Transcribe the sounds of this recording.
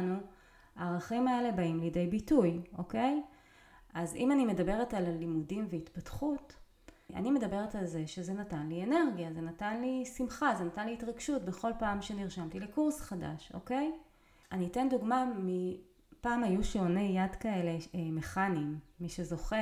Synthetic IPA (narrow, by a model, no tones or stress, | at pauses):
nu | aːʁaχimae̞le̞baimlide̞jbitujʔo̞ke̞j | ʔazḭmanime̞dabe̞ʁetallimudimveitpatχut | a̰nime̞dabe̞ʁetalze̞ʃezenatanliene̞ʁɡjaze̞natanlisimχazenatanliitʁaɡʃutbe̞χo̞lpaːmʃeniʁʃamtilekuʁsχada̰ʃo̞̰ke̞j | aniːte̞nduɡmami | paːmajuʃeonejadkae̞le̞me̞χanimːiʃezo̞χe